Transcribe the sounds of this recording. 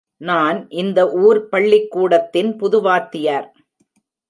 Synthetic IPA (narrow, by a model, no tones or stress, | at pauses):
naːnʔɪnd̪ɐʔuːɾpɐɭːɪkːuːɽɐt̪ːɪnpʊðʊʋaːt̪ːɪjaːɾ